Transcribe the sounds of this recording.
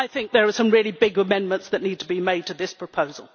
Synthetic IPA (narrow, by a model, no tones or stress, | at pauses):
aɪθɪ̃ŋk̚ðə˞ːsʌ̃mɹɪlˠibɪɡəmɛ̃nmə̃ntsðɨtⁿnid̚tʰəbimeɪd̚tʰɨðɪspʰɹ̥əpʰoʊzl̩ˠ